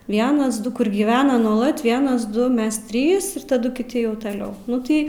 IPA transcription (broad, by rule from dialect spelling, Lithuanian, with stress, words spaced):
ˈʋʲiɛnɐs ˈdʊ kʊr ɡʲiːˈʋʲæːnɐ nuɔˈlˠɐt ˈʋʲiɛnɐs ˈdʊ ˈmʲɛs ˈtʲrʲiːs ɪr tɐˈdʊ kʲɪˈtʲɪ jɛʊ tɐˈlʲɛʊ ˈnʊ tɐɪ